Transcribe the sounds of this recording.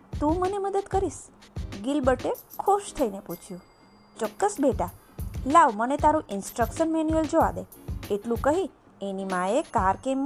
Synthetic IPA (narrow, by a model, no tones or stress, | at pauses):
t̪ũməneməd̪əd̪kəɾiʃɡɪlbəʈekʰoʃt̪ʰəineput͡ʃʰjũ | t͡ʃɔkːəsbeʈa | laʋmənet̪aɾũʔɪnsʈɾəkʃənmeniəld͡ʒoʋa̰d̪eeʈlũkəɦi | enimãekaɾkemː